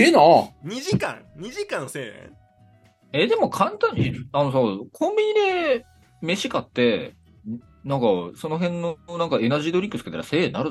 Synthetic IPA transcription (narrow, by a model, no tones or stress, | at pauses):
enaɲ̟iʑikã̰ŋɲ̟iʑikãñseːḛ̃ | e̞d̪e̞mo̞kʰãnt̪ãɲ̟ːiano̞s̬aːkʰõ̞mbʲiɲ̟id̪e̞ | me̞ɕikat̪ːe̞ | nãŋkaso̞no̞ɦẽ̞nːonãŋkae̞naʑid̪o̞ɾʲikɯ̟sɨ̥ket̪aɾase̞ːnaɾɯ